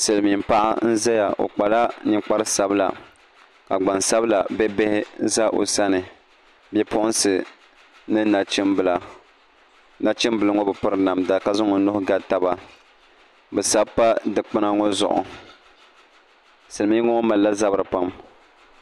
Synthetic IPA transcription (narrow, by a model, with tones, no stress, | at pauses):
sɨ˨lɨ˨mi˨m˦pa˦ʔa̰˦n̩˦za˦ja˨ʔo̰˨k͡pa˨la˦nɨ˦k͡pa˦ɾɨ˦sa˨bɨ˦la̰˨ | ka˨ɡ͡ba˨nsa˦bɨ˦la˨bɛ˦bɛ˦hɪ˦za˦ʔo̰˨sa˦nɨ˨ | bjɛ˦pʊ˦ʔʊ˦n˦sɨ˨ | nɨ˦na˨t͡ʃɪ˦mbla˨ | na˨t͡ʃɪ˦mbɨ˨lɨ˦ŋɔ˦bɨ˨pʊ˦ɾɨ˦na˨mda˨ka˦zʊ˦ŋɔ˨nʊ˦hʊ˦ɡa˦ta˦ba˦ | bɛ˨sa˦bpa˦dɨ˨k͡pɨ˦na˦ŋɔ˦zʊ̰˨ʔʊ̰˨ | sɨ˨lmi˦ŋɔ˦ŋɔ˦ma˨lːa˦za˦bɾɨ˨pa˦m